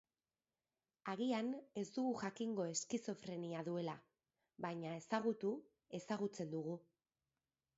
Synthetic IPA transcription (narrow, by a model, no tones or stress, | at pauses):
aɣiane̞zd̪uɣuʝakiŋɡo̞e̞skiso̞fɾe̞niaðue̞la | βajɲae̞saɣut̪u | e̞saɣ̞ut͡se̞nd̪uɣ̞u